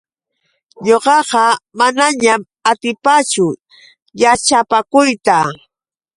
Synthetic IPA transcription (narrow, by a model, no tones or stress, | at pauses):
ɲoqɑqɑmanaɲam | at̪ɪpat͡ʃʊ | jat͡ʃapakʊjt̪a